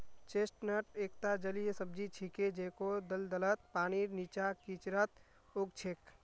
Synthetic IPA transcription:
t͡ʃesʈnəʈekt̪ad͡ʒəlijesəb̚d͡ʒit͡ʃʰiked͡ʒekod̪əld̪ələt̪̚paːninit͡ʃakit͡ʃɾət̪ | oɡt͡ʃʰek

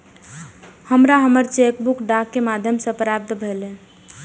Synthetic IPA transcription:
həmɾaɦəməɾt͡ʃekbukɖakːemad̪ʱjəmsə̃pɾap̚t̪ʰbʱelẽ

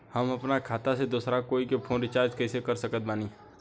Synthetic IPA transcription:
hɐmɐpnakʰaːt̪ased̪uːsɾakoːikepʰõːnɾɪt͡ʃaːɾd͡ʒkɛːsekɐɾsəkət̪̚baːni

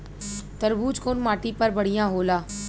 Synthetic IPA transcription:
t̪ɐɾbuːd͡ʒkoːnmaːʈipəɾbɐɽ̤ijãːɦoːlaː

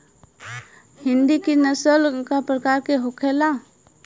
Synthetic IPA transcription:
hɪ̃nd̪ikinəsəlkapɾəkaːɾkeɦokʰela

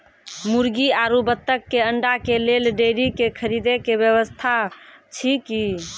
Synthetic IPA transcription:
muɾɡiaɾubət̪ːəkːeəɳɖakelelɖeɾikekʰəɾid̪ekebjəβəst̪ʰat͡ʃʰiki

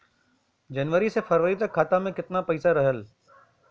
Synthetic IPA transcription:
d͡ʒɐnʋəɾisefɐɾʋəɾit̪ɐkʰːaːt̪amẽkɪt̪napɐisaɾɐɦəl

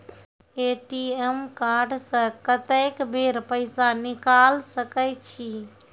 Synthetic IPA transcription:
eːʈiemkaːɾɖsə̃kət̪əkbʱeːɾpəɪsanɪkaːlsəkət͡ʃʰi

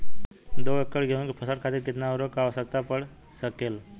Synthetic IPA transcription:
d̪oʋekːəɭɡʱeunkipʰəsəɾkʰat̪iːɾkit̪naɾokaʋsət̪apəɽ | səkel

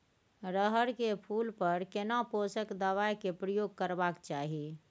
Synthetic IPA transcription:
ɾəɦəɾkepʰulpəɾkenaposəkd̪əʋajkepɾəjoɡ̚kəɾbakt͡ʃaɦi

